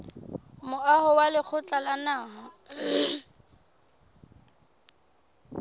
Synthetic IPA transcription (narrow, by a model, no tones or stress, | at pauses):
mʊahʊwalɪk͡xʰʊt͡ɬʼalanaːɦɔ